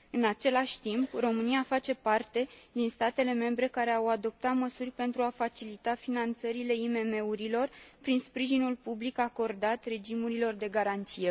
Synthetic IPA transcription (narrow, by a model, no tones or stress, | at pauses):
ɨnat͡ʃe̞laʃʲt̪impro̞mɨniafat͡ʃe̞part̪e̞d̪inst̪at̪e̞le̞me̞mbɾe̞kaɾe̞awad̪o̞p̚t̪at̪məsurʲpe̞nt̪ɾuafat͡ʃilit̪afinant̪səɾile̞ime̞me̞uɾilo̞rpɾinspɾiʒinulpublikako̞rd̪at̪re̞d͡ʒimuɾilo̞rd̪e̞ɡaɾant̪sije̞